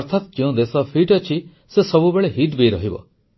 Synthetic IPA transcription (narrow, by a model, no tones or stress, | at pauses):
ɔɾt̪ʰat̪d͡ʒeũd̪esɔpʰiʈɔt͡ʃʰi | sesɔbubeɭeɦiʈbeɾɔɦibɔ̰